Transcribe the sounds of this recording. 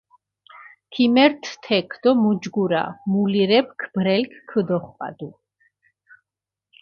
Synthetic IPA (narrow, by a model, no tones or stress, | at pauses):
kʰimɛɾt̪ʰt̪ʰɛkʰd̪ɔmud͡ʒɡuɾa̰muliɾɛp̚kʰb̥ɾɛlkʰkʰəd̪ɔχpʼa̰d̪u